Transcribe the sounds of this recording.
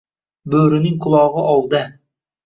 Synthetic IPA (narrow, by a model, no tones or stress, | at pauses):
bøɾɪnɪŋqʰʊlˠɑːʁəʔɑlˠd̪ə